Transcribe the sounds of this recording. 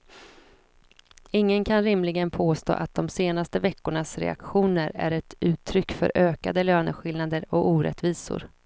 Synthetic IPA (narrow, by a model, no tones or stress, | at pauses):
ɪŋːənkʰanɾɪmlɪɡənpʰoːst̪o̰ːʔat̪̚d̪ɔmseːnast̪əvɛkːʊɳasɾɛ̰a̰kɧuːnəɾæ̰ɾɛt̪ʉ̟ːt̪ʰːɾʏkːfœ̰ɾʔøːka̰d̪əløːnəɧɪlnad̪əɾɔkuːɾɛ̰t̪viːsʊ̰ɾ